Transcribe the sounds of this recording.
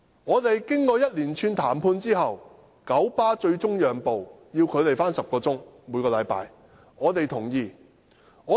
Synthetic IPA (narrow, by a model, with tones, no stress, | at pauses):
ŋɔː˨˧t̪e˨jkɪ˥ŋkɔː˧jɐ˥t̚liː˨˩nt͡ʃʰyː˧nt̪ʰaː˨˩mpʰuː˧nt͡siː˥ɦɐ˨w | kɐ˨˥wpaː˥t͡ʃɵ˧ɥt͡sʊ˥ŋjœː˨ŋpo˨wjiː˧wkʰɵ˨˧t̪e˨˩jfaː˥nsɐ˨p̚kɔː˧t͡sʊ˥ŋmuː˨˧jkɔː˧lɐ˨˧˥jpa̰ː˨˧j | ŋɔː˨˧t̪e˨jt̪ʰʊ˨˩ŋjiː˨ | ŋɔː˨˧˥